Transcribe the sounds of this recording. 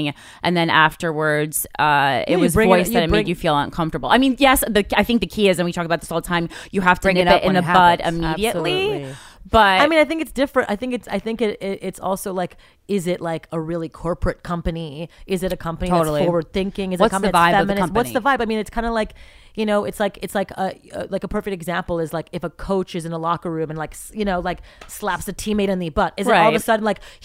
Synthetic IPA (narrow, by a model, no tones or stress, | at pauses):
ŋ | ʔɨ̃nðɨ̃næftə˞wə˞dz̥ʌɪ̰t̚wʌzɹɪ̃vɔɪsðɨɾɨt̚meɪd͡ʒɨfilˠʌ̰̃nkʰʌ̃ɱftə˞bl̩ˠaɪmĩnjɛsðɨaɪθɪ̃ŋk̚ðɨkʰiɪzɨ̃nwitʰɔkəbaʊt̪ðɪsoʊlˠtʰãɪ̃mjɨɦæftə̥ɪ̃ŋɨɾɪɾɨ̃nðɨbʌɾɪ̰miɾiɨʔˡlib̥ʌtaɪmĩnaɪθɪ̃ŋkɨtsd̥ɪfɹɨ̃ntaɪθɪ̃ŋkɨtsa̰ɪθɪ̃ŋkɪɾɪɾʔɪtsɔ̰lˠsoʊlaɪk | ɪzɪtlaɪkəɹɪlˠikʰɔɹpɹɨt̚kʰʌ̃mpɨniɪzɨɾɨkʰʌ̃mpə̃niɨɾl̩ˠfɔɹwə˞d̪̚θɪ̃ŋkɪ̃ŋɨzʌskʰʌ̃ɨvaɪɛmɨnɨ̃ʌ̃wʌtsðəvaɪbaɪmĩnɨtskʰãɪ̃ndəlaɪk | jɨnoʊʔɨtslaɪkɨtslaɪkəə̰laɪkəpʰɜ˞fɪk̚tɨɡzæ̃mpl̩ˠɨzlaɪkɨfəkʰoʊt͡ʃɨzɨ̃nəlɑkəɹʉ̃mɨ̃nlaɪksjɨnoʊlaɪk̚slæpsɨtʰimeɪɾɨ̃nðibʌɾɨzɨɾɔlˠðəsʌdⁿn̩laɪk